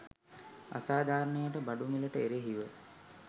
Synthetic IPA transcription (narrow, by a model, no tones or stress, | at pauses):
a̰saːd̪ʱaːɾnejəʈəbaɖumiləʈəeɾeɦiʋə